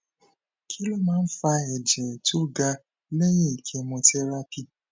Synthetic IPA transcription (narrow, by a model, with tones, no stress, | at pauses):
kʰi˦lo˦mãː˦n̩˦fa˧ɛ˨d͡ʒɛ˨to˦ɡa˧ | le˦jĩ˦˨kʰe˧mõ˧tɛ˦ɾa˦pi˦